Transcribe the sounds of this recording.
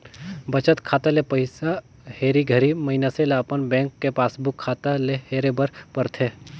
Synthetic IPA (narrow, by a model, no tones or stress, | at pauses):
bɐt͡ʃət̪kʰaːt̪alepəɪsa | heːɾiɡʱəɾimɐinaselapənbɛ̃ːŋkːepaːsbʊkʰːaːt̪aleheːɾebəɾpəɾt̪ʰeː